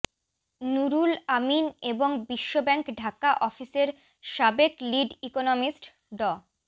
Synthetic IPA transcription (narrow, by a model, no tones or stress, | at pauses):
nuɾulamineboŋbiʃːobɛŋkɖʱakaʔɔfiseɾ | ʃabekliɖikonomisʈ | ɖɔ